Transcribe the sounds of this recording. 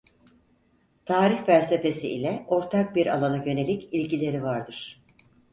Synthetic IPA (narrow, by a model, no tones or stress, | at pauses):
t̪ʰaːɾiçfælʲse̞fe̞sḭʔḭlʲɛʔo̞ɾt̪ʰak̚biɾa̰lˠanajø̞ne̞lʲicilʲɟilʲe̞ɾivaɾd̪ɯɾ̥